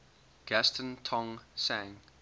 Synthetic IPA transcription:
ɡ̥æstʰə̃ntʰɔ̃ŋsæ̃ŋ

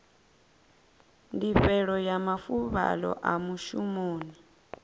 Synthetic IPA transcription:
ndiɸɛɺɔjamafuβa̰lɔ̰ʔamuʃumoːni

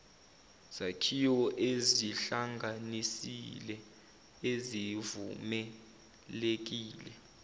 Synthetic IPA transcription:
z̥akʰiɔʔeziɬaŋɡanisḭlɛ | ezivumɛ | lek̬iːlɛ

